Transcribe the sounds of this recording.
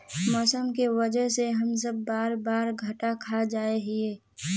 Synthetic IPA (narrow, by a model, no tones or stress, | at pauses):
mɔːsəmkeʋɐd͡ʒəɦseɦɐms̬əbːaːɾbaːɾɡʱɐʈakʰad͡ʒaːeɦieː